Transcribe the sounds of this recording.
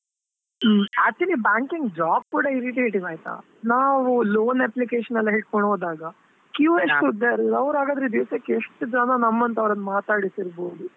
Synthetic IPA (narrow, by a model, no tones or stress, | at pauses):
ɐt͡ʃ̪ːinibaːŋkiŋɡɖɾaːk̚kuːɽɐiɾiʈ̬iɦeʈiʋaːjt̪a̰ː | naːʋuloːneplikeːʂɐnɐlːɐɦeʈ̚kɔɳoːd̪aːɡɐ | kjuʋeʂʈud̪ɐɾɐʋɾaːɡɐd̪ɾed̪iʋsɐkːeeʂʈud͡ʒɐnɐnɐmːɐnt̪ɐʋɾɐnːɐmaːt̪aːɽisiɾboːd̪u